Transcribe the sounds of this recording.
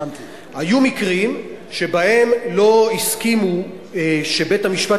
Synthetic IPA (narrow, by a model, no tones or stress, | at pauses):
hajumikʁim | ʃe̞bahe̞mlo̞iskimu | ʃebe̞thamiʃpa